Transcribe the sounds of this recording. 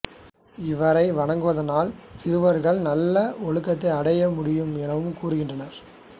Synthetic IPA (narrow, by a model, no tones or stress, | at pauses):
ɪʋɐɾɐɪʋɐɳɐŋɡɯʋɐðɐnaːlt̪ɪɾɯʋɐɾɣɐɭnɐlːɐɔɭɯkːɐt̪ːɐɪɐɽɐjɐmʊɽɪjɯmɛnɐʋɯmkuːɾɯɣɪndrɐnɐɾ